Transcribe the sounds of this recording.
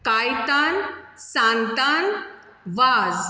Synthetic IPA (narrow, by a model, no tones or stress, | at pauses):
kajt̪ansãnt̪an | ʋaz